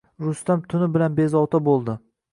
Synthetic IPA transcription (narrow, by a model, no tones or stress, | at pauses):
ɾʊst̪amt̪ʰʊnɪbɪlanbe̞zɒwt̪ʰabolˠd̪ɪ